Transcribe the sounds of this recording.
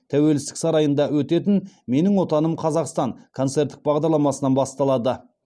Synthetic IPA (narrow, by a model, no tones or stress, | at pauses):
t̪ʰæwe̞lɪst̪ɪ̥ksɑɾɑjənd̪ɑwɵt̪e̞t̪ɪnme̞nɪŋwo̞t̪ɑnəmqʰɑzɑqst̪ɑŋkʰo̞nt̪se̞ɾt̪ːɪ̥k̚bɑʁd̪ɑɾlˠɑmɑsənɑnbɑst̪ɑlˠɑd̪ə